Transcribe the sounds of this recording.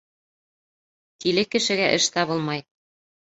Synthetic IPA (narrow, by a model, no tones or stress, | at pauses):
t̪ilɘkːɘ̆ʃɘ̆ɡæʔɘ̆ʃt̪ɑβɤlˠmɑj